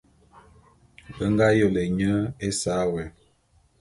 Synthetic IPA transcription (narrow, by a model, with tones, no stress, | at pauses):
bə˦ŋɡa˦jə˦˨le˨ɲə˦e˦sa˨˦wɛ˨